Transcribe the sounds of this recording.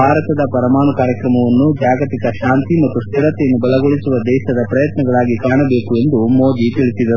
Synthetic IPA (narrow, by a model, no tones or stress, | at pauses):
bʱaːɾɐt̪ɐd̪ɐpɐɾɐmaːɳukaːɾjɐkɾɐmɐʋɐnːud͡ʒaːɡɐt̪ikɐʃaːnt̪imɐt̪ːust̪iɾɐt̪ejɐnːubɐlɐɡoɭisuʋɐd̪ɛːʃɐd̪ɐpɾɐjɐt̪nɐɡɐɭaːɡikaːɳɐbe̞ːkue̞nd̪umoːd͡ʒ̪it̪iɭisid̪ɐu